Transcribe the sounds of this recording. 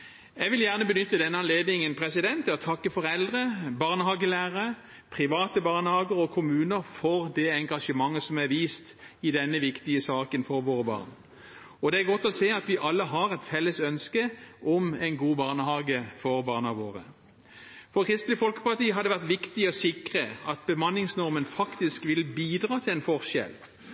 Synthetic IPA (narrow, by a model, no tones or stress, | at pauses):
jɛʋɪljæʁnəbənʏt̪ːəd̪ɛnːəɑnleːd̪nɪŋənpʰʁɛsɪd̪ɛnt̪ːt̪ʰɑkːəfɔʁɛld̪ʁəbɑːʁnəhɑːɡəlæːʁəə | pʰʁɪʋɑːt̪əbɑːʁnəhɑːɡəʁəɔkʰʊmʉːnəʁfɔʁd̪ɛɛŋɡɑʂəmɑŋːəsɔmæʋiːst̪ɪd̪ɛnːəʋɪkt̪ɪəsɑːkənfɔʁʋoːʁəbɑ̰ːʁn | ɔd̪ɛæɾɡɔt̪ːɔseːɑt̪ʋɪʔɑlːəɦɑʁɛt̪fɛlːəsœnskəʔɔmɛɪnɡuːbɑːʁnəhɑːɡəfɔʁbɑːʁnɑʋoːʁə | fɔʁkʰʁɪst̪l̩ɪfɔlkə̥pɑʁt̪iːɦɑd̪ɛʋæʁt̪ʋɪkt̪ɪɔsɪkʁəɑt̪̚bəmɑnːɪŋsnɔʁmənfɑkt̪ɪskʋɪlbiːd̪ʁɑːt̪ʰɪlɛnfɔʁʃɛ̰l